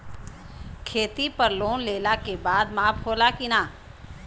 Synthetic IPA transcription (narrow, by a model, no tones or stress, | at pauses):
kʰeːt̪ipɐɾloːnleːlakebaːd̪maːpɦoːlakinaː